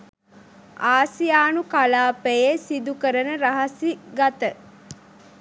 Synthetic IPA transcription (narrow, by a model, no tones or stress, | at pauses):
aːsijaːnukalaːpejesid̪ukəɾənəɾaɦɐsiɡat̪ə